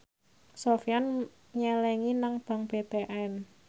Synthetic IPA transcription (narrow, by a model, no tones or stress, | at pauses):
sofjan | ɲɛlɛŋinaŋb̥a̤ŋpet̪eʔɛn